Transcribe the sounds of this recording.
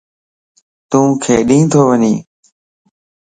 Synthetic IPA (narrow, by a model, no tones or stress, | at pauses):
t̪ũːkʰeːɗĩːt̪ʰoːʋəɲḭ̃ː